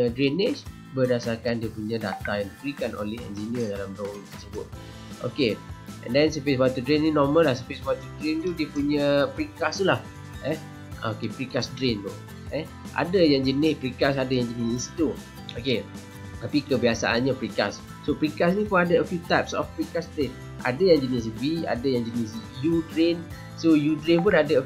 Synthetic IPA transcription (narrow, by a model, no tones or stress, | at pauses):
ədɾinet͡ʃ | bərdasarkandiəpuɲə̃dat̪ajãndibəɾikano̰nlɛhɛ̰̃nd͡ʒiniədalamdɾowiŋt̪ə̥səbʊt̪̚ | ʔo̰keɛ̰̃ndɛnsəfiswat̪udɾennĩnɔməlahs̬əfisbwat̪udɾint̪udiəpuɲəpɾikast̪ulah | ɛh | ʔa̰okepɾikasdɾint̪u | ɛ | ʔa̰dəjãŋd͡ʒənɪspɾikas̬adajãŋd͡ʒənɪsinsi̥t̪u | oke | t̪apikəbiasa̰ʔanɲapɾika̰sː | opɾikasnĩpʊnadəəfjut̪aɪpsɔ̰fpɾikasdɾen | ʔa̰dəjãŋd͡ʒənɪs̬bia̰dəjãŋd͡ʒənɪsjudɾen | sojudɾenp̬ʊnadə